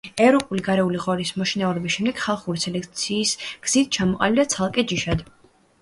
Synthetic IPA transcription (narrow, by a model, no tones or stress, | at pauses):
ɛvɾɔpʼuliɡaɾɛuliʁɔɾismɔʃinauɾɛbisʃɛmd̪ɛɡ̥χalˠχuɾisɛlɛkt̪sʰiːsɡ̥z̥it̪̚ʰt͡ʃʰamɔqʼa̰lid̪at̪sʰalˠkʼɛd͡ʒiʃad̪